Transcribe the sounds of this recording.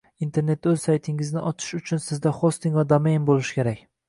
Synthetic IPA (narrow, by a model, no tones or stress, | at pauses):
int̪ʰe̞ɾne̞t̪̚ːɵz̥sajt̪ʰɪŋɪznɪʔɒt͡ʃ̪ʰɪ̥ʃʊt͡ʃʰʊnsɪzd̪aχost̪ɪŋvad̪omejnbolˠɪʃɪ̥kʲʰe̞ɾakʲ